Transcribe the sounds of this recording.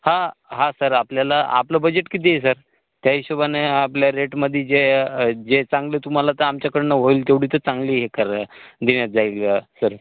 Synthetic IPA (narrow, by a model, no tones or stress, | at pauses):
hãɦãsəɾapljalaa̰pləbəd͡ʑeʈkit̪̬ejes̬əɾ | t̪jaɦiɕobaneːpljaɾeʈməd̪ʱːid͡zed͡ʑet͡sãŋɡlet̪um̤alat̪əɾamt͡ɕjakəɾnəʋoilt̪̬eʋɽ̤iːt̪əɾt͡saŋɡliːɦekəɾd̪iɳjat̪̚d͡zailasəɾ